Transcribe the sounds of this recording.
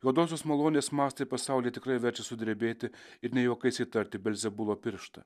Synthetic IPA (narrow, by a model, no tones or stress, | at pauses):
joːɔd̪oːsʲoːsmɐlˠoːnʲeːsmɑːst̪ɐpɐsɑˑʊlʲijɛt̪ʲɪkɾɐɪʋʲɛɾʲt͡ʃʲɛsʊd̪ʲɾʲebʲeːt̪ʲɪ | ɪɾnʲɛjoːkɐɪsʲit̪ɐɾʲt̪ʲɪbʲɛlʲzʲɛbʊlˠoːpʲɪɾʃt̪ɐ̰